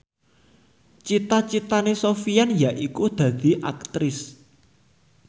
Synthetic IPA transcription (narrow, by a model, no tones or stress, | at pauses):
t͡ʃit̪at͡ʃit̪anesofijanjaʔikud̪̥ä̤d̪̥i̤ʔa̰k̚t̪ɾɪs